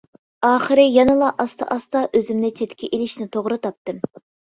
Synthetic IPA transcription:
ɑːχəɾɨjɑnɨlˠɑʔɑst̪ʰɑ̰ʔɑst̪ɑʔøzymnɪt͡ʃʰet̪ʲkʲiʔelɪʃnɪt̪ʰoʁɾɨt̪ʰɑp̚t̪ɨm

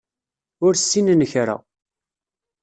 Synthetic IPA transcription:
ʊɾsːinnəçɾa̰

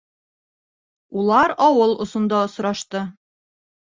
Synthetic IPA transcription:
ulˠɑɾɒwɤlˠŏsŏnd̪ɑŏsɾɑʃt̪ɤ

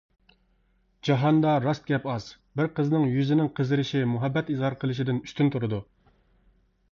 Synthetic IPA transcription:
d͡ʒɑɦɑnd̪ɑɾɑst̪̚ɡʲɛpɑz | bɪɾqəznɨŋjyzɪnɪŋqʰəzɪɾɪʃimuɦɛbːɛt̪izhɑɾqʰəlˠɨʃɪd̪ɪnyst̪ynt̪ʰuɾɨd̪u

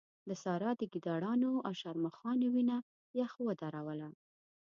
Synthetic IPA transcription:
d̪əsɑɾɑd̪əɡid̪ɑɽɑnoawʃaɾmaxɑnowina | jaxwəd̪aɾawəla

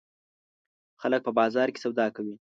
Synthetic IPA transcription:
xalək̚pəbɑzɑɾke̥sawd̪ɑkawi

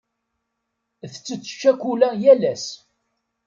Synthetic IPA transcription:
θət͡sːət͡sːə̥ʃːækʷulæjælæs

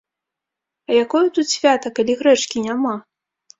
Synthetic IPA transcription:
ɐjakɔjut̪ut̪sʲvʲat̪ɐkalʲiɣɾɛt͡ʂkʲinʲama

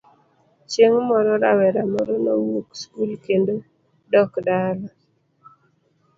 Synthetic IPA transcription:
t͡ʃeŋmɔɾɔɾawɛɾamɔɾɔnowukskulkendo | dɔkdaɾɔ

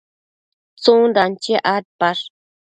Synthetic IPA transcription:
t͡sũnd̪ant͡ʃiʔat̪̚paʂ

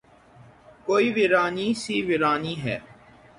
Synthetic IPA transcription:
koːiːʋɪɾaːniːsiːʋɪɾaːniːɦɛ̰ː

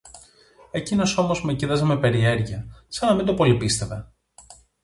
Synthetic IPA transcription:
ecino̞so̞mo̞zmeciðɐzeme̞pe̞ɾie̞ɾʝiɐsɐnɐmind̪opo̞lipist̪e̞ve̞

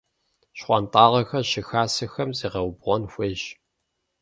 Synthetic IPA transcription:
ɕχʷɑntʼɑːʁɐxɐɕɪxaːsɨxɐmziːʁɐwbʁʷɔnxʷeːʑ

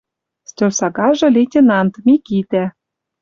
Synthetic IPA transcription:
st̪ørsɑɡɑʒɤ̆lʲetʲenɑnt̪mikit̪æ

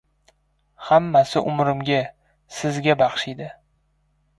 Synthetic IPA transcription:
hamːasɪʔʊmɾɪmɡʲa | sɪzɡʲabɑχʃid̪ɪ

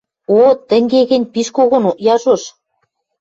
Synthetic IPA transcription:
ot̪ɘ̆ŋɡeɣɘ̆nʲpiʃkoɣŏnoʔjɑʒoʃ

